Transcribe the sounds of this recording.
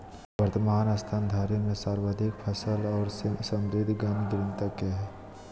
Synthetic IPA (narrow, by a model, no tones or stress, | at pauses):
ʋəɾt̪əmaːnaːst̪ʰaːnd̪ʱaːɾemẽsaːɾwaːd̪ʱɪkpʰəsəlɔːɾsəmɾɪd̪ʱɡaniɡ̪ɾə̃nt̪akeɦɛː